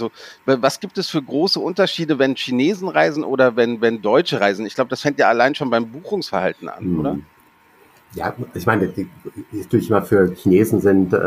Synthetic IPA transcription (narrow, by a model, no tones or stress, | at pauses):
zovvasɡ̥iːp̚tɛsfyːɐɡʁoːsəʔʊntɐʃiːdəvɛnçineːzn̩ʁaɪzn̩ʔo̰ːɾɐvɛnvɛndɔʏt͡ʃəʁaɪzn̩ɪçɡ̥laʊbədasfɛŋtjaːalaɪnʃoːnbaɪmbuːxʊŋsfɛɐhaltn̩ʔa̰nʔʔoːɾɐ | ja̰ːɪçmaɪnəɛd̥uːɪçɪmɐfyːɐçineːzn̩zɪnt